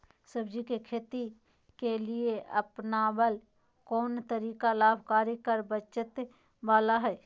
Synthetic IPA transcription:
səbd͡ʒikekʰeːt̪i | kelieɐ̰pnabəl | kɔːnt̪əɾiːkalaːbʱkaːɾikəɾbət͡ʃɪt̪ | baːlaɦɛː

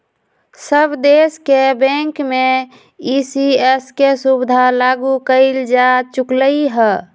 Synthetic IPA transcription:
səbd̪eskebɛ̃ŋkme | isieskesubd̪ʱalaɡukəɪld͡ʒat͡ʃukləiɦɛ

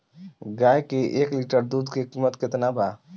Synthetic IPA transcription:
ɡaːjkeʔeːkliʈəɾd̪uːd̪kekimət̪kɪt̪naba

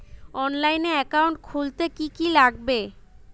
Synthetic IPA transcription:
ɔnlajneɛkawɳʈ̚kʰult̪ekikilaɡ̚be

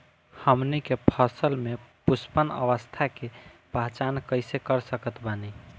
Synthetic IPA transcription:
həmnikepʰəsəlmepuspənə̰ʋəst̪ʰakepaɦt͡ʃankəɪsekəɾsəkət̪bani

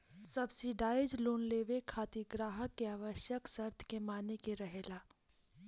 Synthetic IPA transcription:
sɐbsiɖaːed͡ʒloːnleːʋekʰaːt̪iɡɾaːɦəkːeaːʋəʃjəksɐɾt̪ʰkemaːnekeɾɐɦeːlaː

